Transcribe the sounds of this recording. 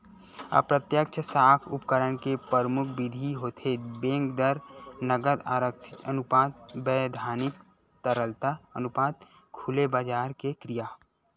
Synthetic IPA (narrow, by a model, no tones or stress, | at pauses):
ɐ̰pɾət̪jəkt͡ʃʰəsaːkʰʊpkəɾənkepəɾmʊkʰbɪd̪ʱiɦot̪ʰebẽːŋkd̪əɾnəɡəd̪a̰ːɾəkʃɪt̪ənʊpaːd̪̚bɛːd̪ʱaːnɪk̚ | t̪əɾəlt̪aənʊpaːd̪̚ | kʰulebaːd͡ʒaːɾkekɾijaː